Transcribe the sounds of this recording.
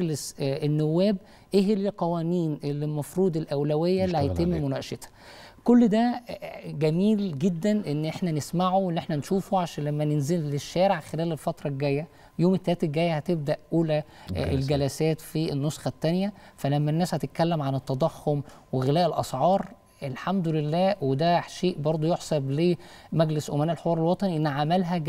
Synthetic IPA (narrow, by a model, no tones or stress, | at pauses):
ɡlesenːowːæːb | ʔehelqɑwæːniːnelːelmɑfɾuːd̪ˤelʔæwlæwejːælːiːhæjt̪emːmonæʃet̪ɑ̥ | kolːd̪æ | ɡæmiːlɡed̪ːænʔenːʔeħnænesmaʕowenːʔeħnænʃuːfoʕaʃæːnlæmːænenzelːeʃːæːɾeʕxelæːlelfɑt̪ɾˤɑɡæjːæ | joːmet̪ːælæːt̪æɡæːjːæhæt̪eb̚d̪æʔʔuːlæelɡælæsæːt̪fienːosˤxɑt̪ːænjæfælæmːænːæːshæt̪et̪̚kælːemʕanet̪ːɑd̪ˤɑxːomweɣelæːʔelʔɑ̰sˤʕɑːɾˤ | ʔelħamd̪ʊlelːæːwed̪æʃeːʔbɑɾˤd̪ˤojoħsˤɑbleːmæɡlesʔo̰mænæːʔlħewɑːɾˤelwɑt̪ˤɑniʔenːʕamælɦæ